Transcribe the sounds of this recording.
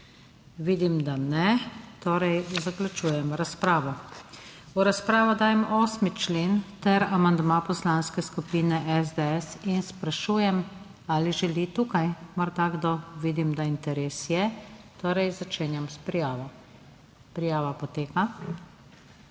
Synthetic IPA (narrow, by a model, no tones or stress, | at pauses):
ʋiːd̪imd̪anɛt̪oːɾɛjzaklat͡ʃuːjɛmɾaspɾaːʋɔ | uɾaspɾaːʋɔd̪aːjɛmɔːsmit͡ʃleːnt̪ɛɾamand̪mapɔslanskɛskupiːnɛʔɛzd̪ɛɛsinspɾaʃuːjɛm | aːliʒɛlit̪uːkajmaɾd̪aɡd̪ɔʋiːd̪imd̪aint̪ɛɾeːsjɛt̪oːɾɛjzat͡ʃeːnjamspɾijaːʋɔ | pɾijaːʋapɔt̪eːka